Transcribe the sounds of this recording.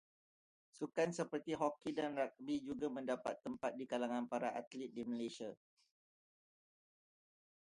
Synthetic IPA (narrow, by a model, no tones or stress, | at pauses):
sukansəpərt̪iɦɔkidanrak̚bid͡ʒuɡamə̃ndapa̰t̪ːəmpat̪̚dikalaŋãnpaɾaʔat̪lɪt̪̚diməlesia